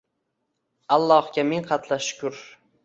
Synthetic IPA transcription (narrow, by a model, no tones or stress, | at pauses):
alˠːɒhɡʲameŋqʰɑt̪ʰlaʃʊ̥kʰʊɾ